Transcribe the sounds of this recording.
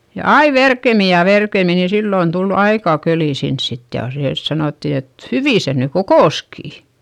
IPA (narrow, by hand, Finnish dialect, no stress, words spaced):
jɑ ɑi ʋerkemi jɑ ʋerkemi ni silːoˑn tul ɑikɑˑ køliˑ sins sit jɑˑ seː sɑnoˑtːi et hyʋiˑ se ny kokoˑskiˑ